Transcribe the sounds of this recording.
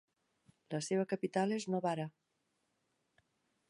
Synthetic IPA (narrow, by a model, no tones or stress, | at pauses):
ləseβəkəpit̪aleznoβaɾa